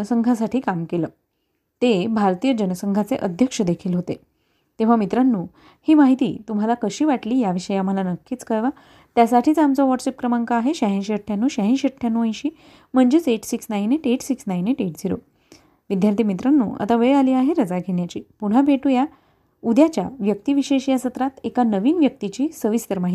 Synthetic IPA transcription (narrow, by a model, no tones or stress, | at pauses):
əsəŋɡʱasaʈʰiːkamkeləː | t̪ebʱaɾt̪ijəd͡ʑənəsəŋɡʱat͡seʔəd̪ʱjəkʂəd̪ekʰiːlɦot̪e | t̪ẽʋ̤amit̪ɾanːuː | hiːmaɦit̪ḭːt̪um̤alakəɕiːʋaʈliːjaʋiɕəjam̤əlanəkːiːt͡skəɾʋa | t̪jasaʈʰiːt͡samt͡sɔʋɔʈsep̚kɾəmaŋkaːɦeɕaɦĩɕeʈʰjanːuːɕaɦĩɕəʈʰːjanːuə̃j̃ɕiː | m̤əɳd͡ʑet͡seʈsiksnaineʈeʈsiksnajneʈeʈd͡ziɾo̰ | ʋid̪jaɾt̪ʰimit̪ɾanːṵːa̰t̪aʋəjaliːaɦeɾəd͡zaɡʱeɳjat͡ɕiːpuɽ̤abʱeʈuːja | ud̪jat͡ɕja̰ʋjəkt̪iːʋiɕeɕijasət̪ɾat̪ekanəʋiːnʋjək̚t̪it͡ɕiːsəʋist̪əɾmaɦit̪i